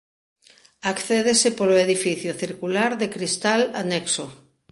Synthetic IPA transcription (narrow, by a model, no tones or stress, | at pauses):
akθeðesɪpoloeðifiθjʊθiɾkulaɾðekɾist̪alanɛkso